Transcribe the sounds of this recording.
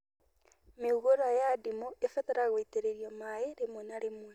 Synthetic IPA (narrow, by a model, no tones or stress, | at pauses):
meuɣoɾwajadimoefɛðɛɾaɣweteɾeɾiɔmaeɾemwɛnaɾemwɛ